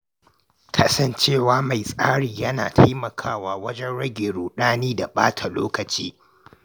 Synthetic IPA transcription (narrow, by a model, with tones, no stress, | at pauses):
kʰaː˨sɐ˦nt͡ʃeː˦˨waː˦ma˨jsʼaː˦ɽiː˨jɐ˦na̰ː˨tʰa˦jmɐ˨kʰaː˦˨waː˨wɐ˦d͡ʒɛ˦nɽɐ˦ɡʲeː˨ɽuː˨ɗaː˦niː˦da˨ɓa̰ː˦tʰa˨loː˦kɐ˨t͡ʃiː˦